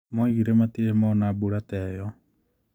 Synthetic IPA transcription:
moiɣiɾematiemɔnabuɾatɛjɔ

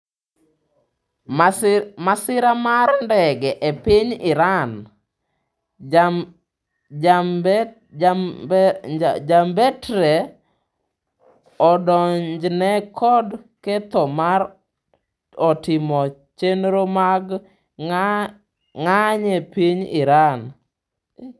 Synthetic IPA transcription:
masɪɾamarndɛɡɛʔepɪɲɪɾan | d͡ʒambɛtɾe | ɔdɔɲd͡ʒnɛkʰɔdkɛt̪ɔmaɾ | ɔtɪmɔ | t͡ʃenɾomaɡ | ŋaɲepiɲɪɾan

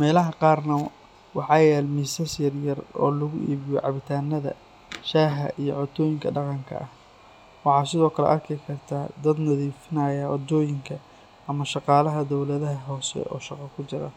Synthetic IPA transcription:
mɛːlɐɦɐqɑːrnɐ | wɑħɑːjɛːlmiːsɐsjɐrjɐrɔ̰ːlɐɣʊʔḭːβɪjɔ̰ʕɑβɪt̪ʰaːnːɐðɐ̰ | ʃaːɦɐ̰ʔijɔʕɔt̪ʰɔːjɪŋkʰɐɖɑqɑŋkʰɐ̰ʔɐh | wɑħɑːsɪðɔːkʰɐlɛ̰ʔɐrkʰɪkʰɐrt̪ʰaːd̪ɐd̪nɐðiːfɪnaːjɐʔɔd̪ɔːjɪŋkʰɐ | ɐmɐʃɑqɑːlɐɦɐd̪ɔwlɐðɐɦɐɦɔːsɛ̰ʔɔ̰ːʃɑqɑkʰʊt͡ʃɪɾɐ̰

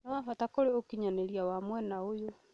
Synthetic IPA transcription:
nawafatakoɾeokiɲaneɾiawamwɛnaojo

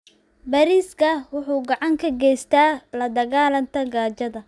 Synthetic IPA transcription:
bɐɾiːskʰɐwʊħuːɡɑʕɑŋkʰɐɡɛjst̪ʰaːlɐd̪ɐɣaːlɐnt̪ʰɐɡaːt͡ʃɐðɐ

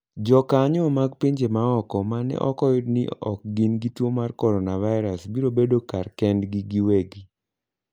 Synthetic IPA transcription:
d͡ʒɔkaɲɔmaɡpiɲd͡ʒemaɔkɔmanɛ̰ʔɔkɔjʊdnḭɔ̰k̚ɡinɡitwomarkɔɾɔnavaɪɾasbiɾobedokarkɛndɡiɡiweɡi

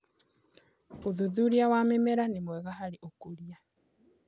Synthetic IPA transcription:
oðuðuɾiawamemɛɾanemwɛɣaɦaɾeʔokoɾia

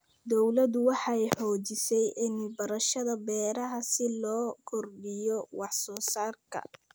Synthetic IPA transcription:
d̪ɔwlɐd̪ʊwɑħɑɛjħɔːt͡ʃɪsɛjʔɪnɪbɐɾɐʃɐðɐbɛːɾɐɦɐsɪlɔːkʰɔrbɪjɔwɑħsɔːsaːrkʰɐ̰

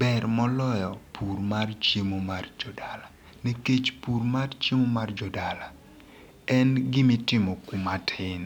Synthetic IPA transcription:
bɛrmɔlɔjɔpurmart͡ʃjemomard͡ʒɔdala | niket͡ʃpuɾmart͡ʃemomard͡ʒɔdala | ɛnɡɪmɪtɪmɔkumatʰɪn

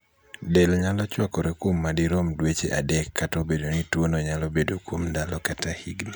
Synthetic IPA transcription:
delɲalɔt͡ʃwakɔɾekwomːadiɾomdwet͡ʃeʔadɛkːatobedonitwonɔɲalobedokwomdalɔkatahḭɡna

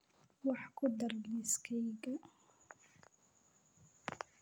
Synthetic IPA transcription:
wɑħkʰʊd̪ɐrɡiskʰɛjɡɐ

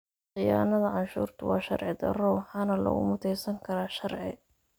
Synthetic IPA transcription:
qɪjaːnɐðɐʕɑnʃṵːrt̪ʰʊwɑːʃɐ̰rʕɪd̪ɐ̰rɔwħɑːnɐlɐ̰ɣʊ̰mʊt̪ʰɛjsɐŋkʰɐɾaːʃɐrʕɪ̰

